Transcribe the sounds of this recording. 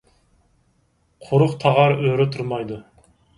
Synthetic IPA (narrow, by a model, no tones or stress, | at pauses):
qʰʊɾʊqt̪ʰɑʁɑɾøɾɛt̪ʰuɾmɑjd̪u